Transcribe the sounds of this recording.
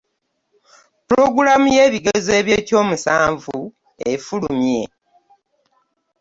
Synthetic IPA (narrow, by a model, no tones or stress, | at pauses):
puɾo̞ɡuɾamuje̞ːβiɡeze̞ːβjeːco̞ːmusaːɱvu | efulumje̞